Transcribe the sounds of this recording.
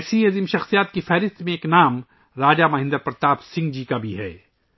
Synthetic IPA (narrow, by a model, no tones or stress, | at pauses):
siɐzimʃɐxsijaːt̪̚kifɛːɾɪst̪mẽeːknaːm | ɾaːd͡ʒamɐɦɪ̃nd̪əɾpɾt̪aːbsɪ̃ŋɡd͡ʒikabʱiɦɛ̰ː